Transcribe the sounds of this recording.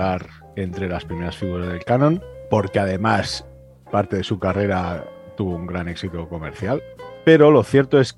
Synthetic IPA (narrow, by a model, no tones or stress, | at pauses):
aɾ | e̞nt̪ɾe̞laspɾime̞ɾasfiɣ̞uɾazðe̞lkanõ̞npo̞ɾke̞aðe̞mas | paɾt̪e̞ðe̞sukare̞ɾat̪uβo̞uŋɡɾane̞ksit̪oko̞meɾθjalpe̞ɾo̞lo̞θje̞ɾt̪oe̞s